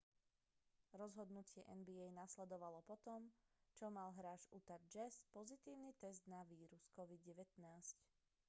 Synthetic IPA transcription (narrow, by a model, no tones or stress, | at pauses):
ɾɔzɦɔd̪nucɪɛʔɛnbiɛjnaslɛd̪ɔʋalɔpɔt̪ɔmt͡ʃɔmalɦɾaːʒut̪aɟ̚d͡ʒɛspɔzit̪iːʊnit̪ɛzd̪naʋiːɾuskɔʋid̪ɟɛʋɛt̪naːsc